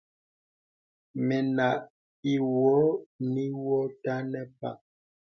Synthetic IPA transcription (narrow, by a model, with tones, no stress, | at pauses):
mɛ˨na˨ʔ | i˨wɔ˨˦ni˦wɔ˦ta˦nɛ˦pa˦˨